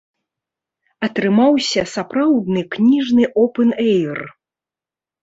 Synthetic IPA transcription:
ɐt̪ɾɨmawsʲɐsapɾawd̪nɨknʲiʐnɨʔɔpɛnɛjr

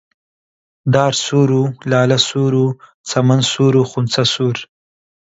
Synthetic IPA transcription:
d̪ɑːɾsuːɾulɑːlasuːɾu | t͡samansuːɾuxunt͡sasuːɾ

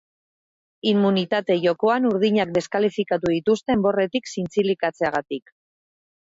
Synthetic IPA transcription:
imːunit̪at̪e̞ʝo̞ko̞anuɾð̞iɲakd̪e̞skalifikat̪uð̞it̪ust̪e̞mbo̞re̞t̪iksint͡silikat͡se̞aɣ̞at̪ik

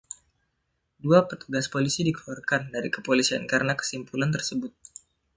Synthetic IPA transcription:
duapət̪uɡaspolisidikluarkandaɾikə̥polisiankaɾənakə̥simpulant̪ərsəbʊt̪̚

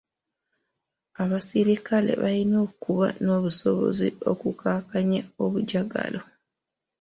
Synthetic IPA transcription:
aβasiɾikale̞̰βaino̞ːkuβa̰no̞ːβuso̞βo̞̰zio̞kukaːkaɲao̞βuɟaɡa̰lo̞

